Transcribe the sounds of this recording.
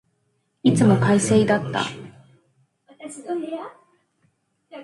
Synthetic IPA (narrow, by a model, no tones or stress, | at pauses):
it͡sɨmo̞kaiseid̪at̪ːa̰